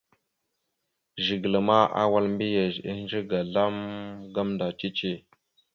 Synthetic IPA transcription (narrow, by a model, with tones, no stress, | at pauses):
ʒi˨ɡlə˨ma˦ʔa̰˦wa˦lmbi˦ja˨zi˦n˦d͡ʒə˦ɡa˨ɮa˦mɡa˦mnda˨t͡ʃi˦t͡ʃe˦˨